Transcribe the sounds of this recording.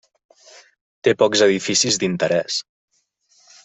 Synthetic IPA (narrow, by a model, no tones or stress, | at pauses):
t̪epɔkzəðifisizd̪int̪əɾɛs